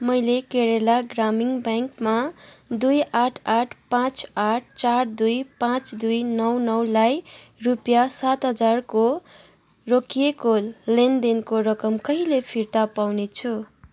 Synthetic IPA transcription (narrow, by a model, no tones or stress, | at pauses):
mʌjlekeɾelaɡramiŋbaŋkmad̪ujaʈʰaʈʰpãt͡saʈ̚ʰt͡sard̪ujpãt͡sd̪ujnʌwnʌwlaj | rupjasat̪ɦʌd͡zarko | rokijekolend̪enkoɾʌkʌmkʌɦilepʰirt̪apawnet͡sʰu